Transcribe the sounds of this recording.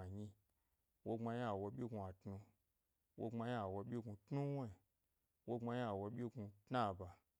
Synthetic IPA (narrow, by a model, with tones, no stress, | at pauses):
a˨ɲi˧ | wo˧ŋ͡ma˧ɲi˦a˨wo˧˦ɓʲi˦ɡu˧a˨tnu˧ | wʔo˧ŋ͡ma˧ɲ˦a˨wo˧ɓʲi˦ɡu˧tnu˦wo˦i˨ | wo˦ŋ͡ma˧ɲ˦a˨wo˧ɓʲi˦ɡu˧tna˦˨ba˨